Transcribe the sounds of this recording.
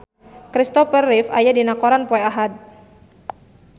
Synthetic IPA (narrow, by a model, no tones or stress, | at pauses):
kɾist̪ɔfərːifa̰jadinakɔɾanpɔɛaɦad̪̚